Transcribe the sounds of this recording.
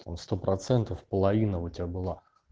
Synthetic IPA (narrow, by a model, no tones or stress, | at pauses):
t̪a̰mst̪opɾʔɐt̪sɛnt̪əfpəlˠɐvʲinəʊtʲɪabɨlˠa